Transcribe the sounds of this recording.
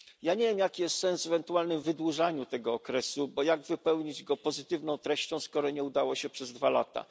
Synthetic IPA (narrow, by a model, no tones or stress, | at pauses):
jaɲevʲjemjakʲijɛst̪sɛnsɛvɛnt̪ualnɘmvɘd̪wuʐaɲut̪ɛɡɔːkɾɛsubɔjaɡvɘpɛwɲid͡ʑɡɔpɔzɘt̪ɘvnɔ̃w̃t̪ɾɛɕt͡ɕɔ̃w̃skɔɾɔɲɛud̪awɔɕɛpʂɛzd̪vala̰t̪a̰